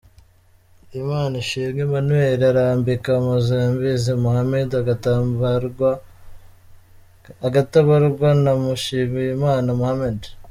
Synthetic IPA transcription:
imaːniʃiːmɡemanweɾaɾaːmbikamuzaambizemuhamedaɡat | a | aɡataβaɾɡwanamuʃiːmiimaːnamuhamed

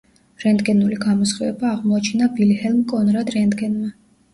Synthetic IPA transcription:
ɾɛnd̪ɡɛnuliɡamɔsχivɛbaːʁmɔat͡ʃʰɛnabilhɛlˠmkʼɔnɾad̪ɾɛnd̪ɡɛnma

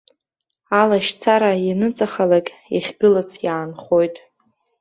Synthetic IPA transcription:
alaʃt͡sʰaɾajinɨt͡sʼaχalakʲʼḭχʲɡɨlat͡sʰjaːnχo̞jtʼ

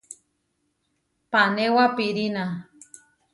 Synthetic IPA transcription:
panewapiɾina

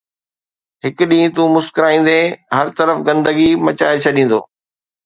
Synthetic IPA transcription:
ɦɪkʊɗĩːt̪uːmʊskɪɾaːĩːn̆d̪eɦɐɾt̪ɐɾəfɡɐ̃nd̪əɡimɐt͡ɕa̰ːet͡ɕʰɐɗĩːn̆d̪o̰ː

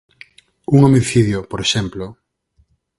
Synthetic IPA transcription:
uŋomiθiðjopoɾeʃɛmplo

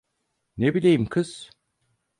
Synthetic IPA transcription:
nebilʲejimkʰɯz̥

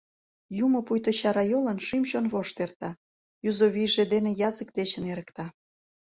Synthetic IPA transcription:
jumopujt̪oɕɑɾɑjolənʃimɕonβoʃt̪ert̪ɑ | juzoβijʒed̪enejɑzəkd̪et͡ɕə̆neɾə̆kt̪ɑ

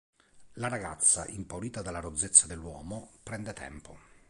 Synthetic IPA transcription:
laɾaɡat̪sːa̰ʔimpawɾiːt̪ad̪alːaɾod̪zːet̪sːad̪elːwɔːmopɾɛnd̪et̪ʰɛ̰mpo̰

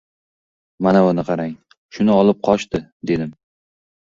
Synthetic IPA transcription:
manaʊnɪqʰɑɾaŋ | ʃʊnɪɒlˠɪp̚qʰɒʃt̪ɪd̪e̞d̪ɪm

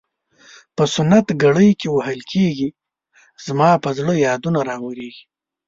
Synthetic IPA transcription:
pəsʊnːat̪ɡaɽəjkewahəlkʰeɡi | z̥mɑpəzɽəjɑd̪unaɾɑwəɾeɡi̥

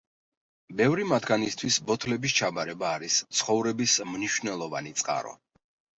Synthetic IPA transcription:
bɛvɾimad̪ɡanist̪ʰwisbɔt̪ʰlɛbis̬t͡ʃʰabaɾɛbaːɾist̪sʰχɔvɾɛbismniʃvnɛlˠɔva̰nit̪sʼqʼa̰ɾɔ̰

